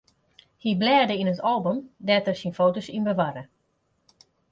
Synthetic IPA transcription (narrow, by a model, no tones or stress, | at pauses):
hiblɛːdəinətʰɔlˠbomdɛtərsinfoːtosinbəʋaɾə